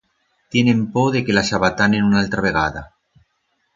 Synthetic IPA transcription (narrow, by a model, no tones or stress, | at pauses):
t̪je̞nẽ̞mpoðe̞ke̞lasaβat̪anenunalt̪ɾaβe̞ɣ̞aða̰